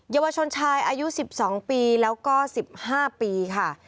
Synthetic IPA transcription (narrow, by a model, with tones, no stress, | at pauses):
jaː˧wa˧t͡ɕʰo˧nt͡ɕʰaː˧jʔaː˧ju˦˥si˨˩p̚sɔː˩˦ŋpiː˧lɛː˦˥wkɔː˥˩si˨˩p̚haː˥˩piː˧kʰa˥˩